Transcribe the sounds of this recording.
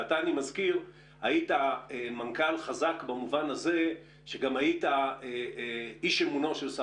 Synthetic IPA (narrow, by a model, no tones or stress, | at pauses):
ataːnimazkiʁ | haitaemankalχazakbamuvanaze̞ | ʃe̞ɡamaitaeiʃe̞muno̞ʃelsa